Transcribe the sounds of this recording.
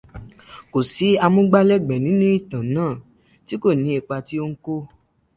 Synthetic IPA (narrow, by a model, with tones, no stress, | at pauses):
ko˨si˨˦a˧mũ˦ɡ͡ba˦lɛ˦ɡ͡bɛ˨nĩ˨˦nũ˦i˦˨tã˨nãː˦˨ | ti˦ko˦˨nĩ˨˦e˧k͡pa˧ti˦o˦ŋ̩˦ko˦